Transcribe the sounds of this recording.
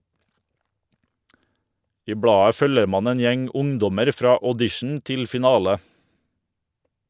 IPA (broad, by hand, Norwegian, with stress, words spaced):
ˈiː ˈbɽɑːə ˈfœləɾ ˈmɑːn ˈeːn ˈjɛŋ ˈʊŋˌdɔməɾ ˈfɾɑː ɔˈdɪʃɳ ˈtɪl fɪˈnɑːlə